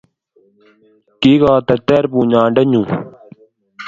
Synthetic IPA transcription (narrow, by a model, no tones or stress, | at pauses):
kiːɡaːt̪ɐt̪eːɾpũːɲãːɖɐɲũː